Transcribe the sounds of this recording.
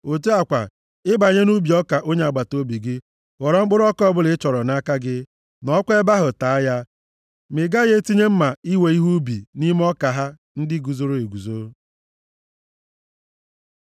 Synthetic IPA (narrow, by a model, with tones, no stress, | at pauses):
o˨te˦a˨kʷa̰˨ | ɪ˦ba˨ɲe˦nu˦bi˨ɔ˦ka˨ʔo˦ɲe˦a˨ɡ͡ba˨to˦bi˨ɡɪ˦ | wɔ˨ɾɔ˨ŋ͡m̩˦k͡pʊ˦ɾɔ˦kɔ˦bʊ˦lɪ˦t͡ʃɔ˨ɾɔ˨na˦ka˦ɡɪ˦ | nɔ˦kʷe˦ba˦ɦʊ˨ta˨a˦ja˦ | mɪ˨ɡa˦ɣe˦ti˦ɲe˦m̩˦ma˨i˦we˨i˦ɦu˦bḭ˨ni˦m˦ɔ˦ka˨ɦa˦ | n̩˦dɪ˦ɡu˨zo˦ɾo˦˨e˨ɡu˨zo˨˦ɾo˦